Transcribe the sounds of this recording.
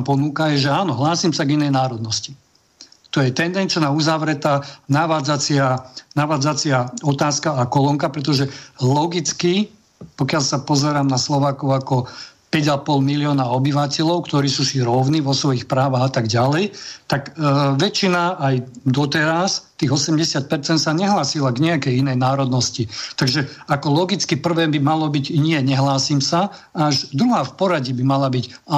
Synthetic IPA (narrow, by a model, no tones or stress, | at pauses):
pɔnukajɛʒɛaːnɔɦlaːsimsaɡinɛjnaːɾɔd̪nɔsci | t̪ɔjɛt̪ɛnd̪ɛnt͡ʃnaːuzaʋɾɛt̪aːnaʋaːd͡zat͡sɪanaʋaːd͡zat͡sɪaɔt̪aːskaːkɔlɔŋkapɾɛt̪̬ɔʒɛlɔɡit͡ski | pɔkɪalsapɔzɛɾaːmnaslɔʋaːkɔʊakɔpɛɟapɔlmilɪɔːnaɔbiʋacɛʎɔʊkt̪ɔɾiːsuːsiɾɔʊniːʋɔsʋɔixpɾaːʋaɣat̪aɡɟalɛjt̪akʋɛt͡ʃinaajd̪ɔt̪ɛɾast̪iɣɔsɛmɟɛsɪat̪̚pɛɾt͡sɛnt̪saɲɛɦlaːsilaɡɲɛakɛjinɛjnaːɾɔd̪nɔscit̪aɡʒɛakɔlɔɡit͡skipr̩ʋɛːbimalɔbiɟɲɪɛɲɛɦlaːsiːmsa | aʒd̪ɾuɦaːfpɔɾaɟibimalabiɟa